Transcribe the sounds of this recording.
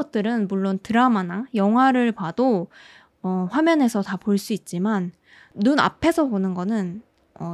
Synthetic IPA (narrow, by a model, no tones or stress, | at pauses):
ʌt̚t͈ɯɾɯnmuɭːontɯɾamanajʌŋɦwaɾɯɭpado | ʌɸwamjʌne̞sʰʌtapoɭs͈uit̚t͡ɕ͈imanː | una̰pʰe̞sʰʌponɯnɡʌnɯn | ʌ